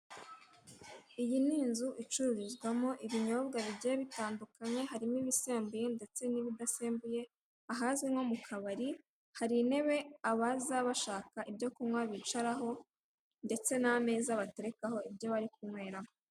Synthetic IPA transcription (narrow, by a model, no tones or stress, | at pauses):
ijiniːnzuʔit͡ʃuɾuɾizɡwamoʔiβiɲo̞ːbɡaβiɟijeβitaːndukaɲe̞ɦaɾimiβise̞ːmbuje̞nde̞t͡se̞niβidaseːmbuje̞ | aɦaziŋo̞mukʰaβaɾi | haɾine̞βe̞aβazaβaʃaːkaʔibɟo̞kumŋwaβit͡ʃaɾaɦo̞ | nde̞t͡se̞name̞ːzaβate̞ɾe̞kaho̞ibjo̞βaɾik̚umŋwe̞ːɾamo